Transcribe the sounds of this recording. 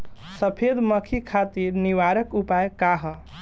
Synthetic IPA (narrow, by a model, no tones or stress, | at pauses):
səpʰed̪məkʰikʰat̪iɾniʋaɾəkupajkaɦə